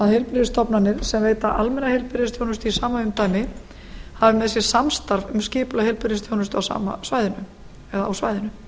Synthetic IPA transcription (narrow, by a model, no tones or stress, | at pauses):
aðhelpɪɾðɪst̪ɔpnanːɪɾsɛmveːjt̪aʔalmɛnːahejlpɪɾɪst̪jownʏst̪ʏisaːmaʏmt̪aːjmɪ | havɪmɛðsjɛ̥samst̪aɾvʏmscɪːpʏlahejlpʏɾɪnst̪jownʏst̪ʏawsa̰ːma̰svaːjðɪnʏ | ɛðaawsvaːjðɪnʏ